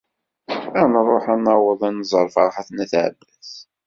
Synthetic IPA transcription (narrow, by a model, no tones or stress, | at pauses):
ænɾˤːoħænːɑwəðˤænzˤəɾˤfɑɾˤħaθnæθʕə̰bːæs